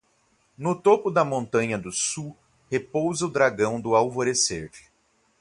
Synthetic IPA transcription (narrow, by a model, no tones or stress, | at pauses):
nʊt̪opʊd̪ɐmõnt̪ɐ̃ɲɐd̪ʊsu | hepowzɐʊd̪ɾaɡɐ̃w̃d̪ʊawvoɾeseɾd͡ʒɪ̥